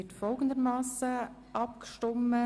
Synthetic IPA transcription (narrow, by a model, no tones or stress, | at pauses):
ɪtfɔlˠɡən̩d̪əɾmɑːsə | ʔɑp̚kʃtɔmə